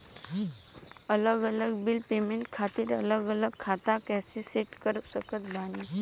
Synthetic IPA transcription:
ələɡələɡbilpemeɳʈkʰat̪iɾə̰ləɡələɡkʰat̪akɛseseʈkəɾsəkət̪bani

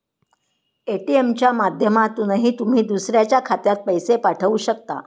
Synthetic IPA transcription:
eʈiemt͡ɕjamad̪ʱjəmat̪unəɦiːt̪um̤iːd̪usɾjat͡ɕjakʰat̪jat̪̚pəjsepaʈʰəʋuːɕəkt̪a̰

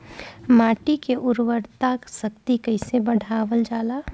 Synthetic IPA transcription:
maːʈikeʔʊɾwəɾt̪aksək̚t̪ikəɪsebəɽ̤ʱaːʋəld͡ʒaːla

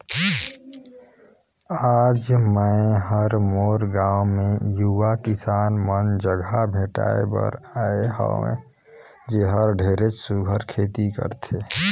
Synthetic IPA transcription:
aːd͡ʒməẽɦəɾmoːɾɡãːwmẽjuʋakɪsaːnmənd͡ʒəɡʱabʱeːʈa̰ːḛbə̰ɾaːeɦə̰ḛ̃ | d͡ʒeɦəɾɖʱeːɾet͡ʃsuɡʱəɾkʰeːt̪ikə̰ɾt̪ʰeː

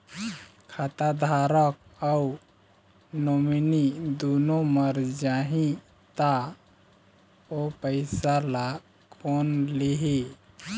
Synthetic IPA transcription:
kʰat̪ad̪ʱaɾək̚au | nominid̪unoməɾd͡ʒaɦĩ | t̪a | opəɪsala | kʰonliɦi

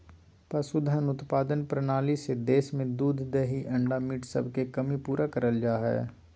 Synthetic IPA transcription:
pɐsud̪ʱənʊt̪paːd̪ənpɾənaːlised̪eːʃmẽd̪uːd̪ʱd̪eɦiʔɐ̃ɳɖamiːʈsə̰bʱkekɐmipuːɾakəɾəld͡ʒaːɦɛ̰ː

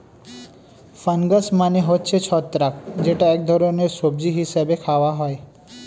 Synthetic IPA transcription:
fənɡəsmaneɦot͡ʃʰet͡ʃʰɔt̪ːɾakd͡ʒeʈaek̚d̪ʱɔɾonesob̚d͡ʒiɦɪsabekʰaʋaɦɔj

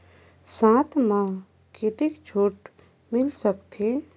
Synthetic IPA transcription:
sãːt̪ʰmã | ket̪ikd͡ʒʰʱuːʈ | mɪlsəkt̪ʰeː

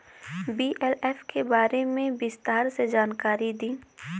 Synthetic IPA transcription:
biːʔɛlɛːfkebaːɾemẽbɪst̪aːɾsed͡ʒaːnkaːɾid̪ĩː

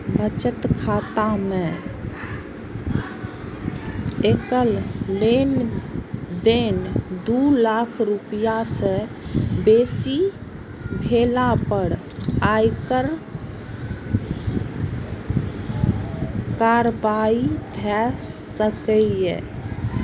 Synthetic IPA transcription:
bət͡ʃət̪kʰat̪amẽ | ekəllen | d̪end̪ulakʰɾupjase | besi | bʱelapəɾ | ajkəɾ | kaɾbaibʱɛsəkəjḛ

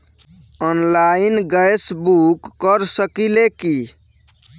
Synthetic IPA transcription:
ɔnlainɡəjsbukːəɾsəkileki

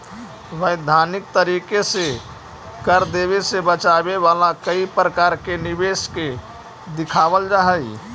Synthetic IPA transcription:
ʋəjd̪ʱaːnɪk̚t̪əɾiːkese | kəɾd̪eːβesebət͡ʃaːbeʋaːlakəipɾəkaːɾkenɪbeːske | d̪ɪkʰaːbəld͡ʒaɦəi

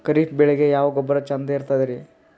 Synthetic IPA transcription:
kɐɾiːʈbɛɭeɡejaːʋɐɡɔbːɐɾɐt͡ʃɐnd̪eiɾt̪ad̪iɾi

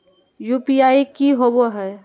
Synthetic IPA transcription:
jupiaikiɦoboɦɛ

